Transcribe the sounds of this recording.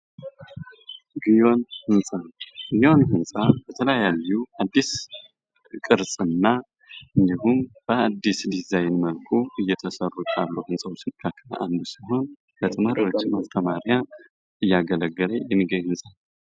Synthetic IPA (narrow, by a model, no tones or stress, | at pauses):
ɡijo̞nhɨnsʼaɡijo̞nhɨnsʼab̥ət̪ʰələjajalːuad̪ːis | kʼɨɾsʼɨnːa | ʔɨnd̪ihumb̥əad̪ːisd̪izajnməlkʰoɨjːɛt̪ʰəsərːut͡ʃ̪ʼalːəwhɨnsʼawot͡ʃːɪnkʰakʰːəla̰ʔand̪usiɦo̞n | bət̪ʼɨmaɾiwo̞t͡ʃːɪmast̪ʰəmaɾja | ɨjːaɡələɡːələjɛmːiɡəɲuhɨnsʼanə